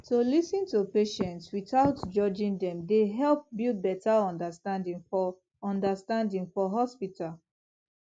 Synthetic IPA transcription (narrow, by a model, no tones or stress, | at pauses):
tolisĩntupeʃɛ̃ntswiθaʊtd͡ʒɔd͡ʒĩŋdɛ̃mdeɦɛlp̚bilbɛtaɔ̃ndəstãndĩŋfɔ | ɔ̃ndəstãndĩŋfɔɦɔspitʰal